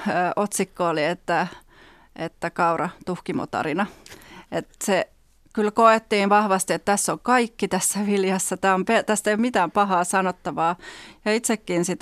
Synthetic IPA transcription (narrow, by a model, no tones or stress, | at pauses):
øʔot̪sikːoːliet̪ːæ | ʔet̪ːækɑurɑt̪uhkimo̰t̪ɑ̰rinɑet̪se | kylkoet̪ːiːnʋɑhʋɑst̪iet̪t̪æsːoŋkɑikːit̪æsːæʋiljɑsːɑt̪æːompet̪æst̪ejommit̪æːmpɑhɑːsɑnot̪ːɑʋɑːjɑit̪sekːinsit̪